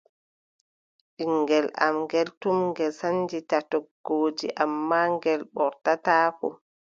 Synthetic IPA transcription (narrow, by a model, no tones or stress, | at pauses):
ʔiŋɡɛla̰mŋɡɛltumŋɡɛsand͡ʒitatɔɡ̥oːd͡ʒiʔamːaːŋɡɛlɓɔɾtataːkɔ̰